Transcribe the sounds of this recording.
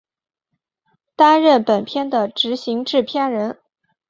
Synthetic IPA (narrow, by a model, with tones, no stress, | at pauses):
t̪a˥nɻə˥˩npə˨˩npʰjɛ˥˩nd̪ə˨ʈ͡ʂɻ̩˧˥ɕi˧˥ŋʈ͡ʂɻ̩˥˩pʰja˥ɻə˧˥n